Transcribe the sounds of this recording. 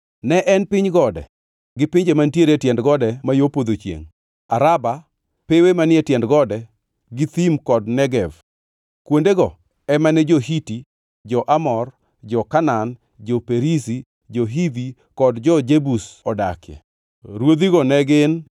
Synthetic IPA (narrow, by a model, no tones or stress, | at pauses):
nɛʔɛnpɪɲɡɔdɛ̰ | ɡɪpɪɲd͡ʒemantjeɾetjɛndɡɔdɛmajopod̪ot͡ʃjḛŋ | aɾaba | pewemanɪɛtjɛndɡɔdɛ | ɡɪt̪imkɔdnɛɡɛv | kwondeɡɔ | ɛmanɛd͡ʒohiti | d͡ʒɔʔamɔr | d͡ʒɔkanan | d͡ʒɔpeɾisi | d͡ʒɔɦivi | kɔdd͡ʒɔd͡ʒebusɔdakjɛ̰ | ɾwod̪iɡɔnɛɡɪn